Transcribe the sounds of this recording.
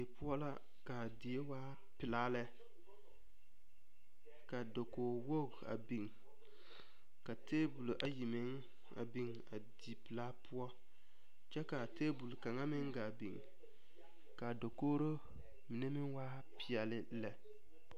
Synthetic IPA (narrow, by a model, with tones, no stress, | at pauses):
e˨pu˦ɔ˦la˦ | ɡ̥a˨di˨e˦waː˦ | pɪ˨laː˦lɛ˦ | ka˨do˨koː˨wo˦˨ɡa̰˨bi˨ŋ | ka˨teː˦bu˨lʔa˨ji˨mɪ˦ŋ | a̰˨bi˦ŋ | a̰˨di˨pɪ˨laː˦pu˦ɔ˦ | t͡ʃɛ˦ka˨teː˦bu˨lka˨ŋa˦mɪ˦ŋɡaː˨bḭ˨ŋ | ka˨do˨koː˦ɾo˦ | mɪ˨ne˦mɪ˦waː˦ | pɪ˨ɛ˨lɪ˦lɛ˨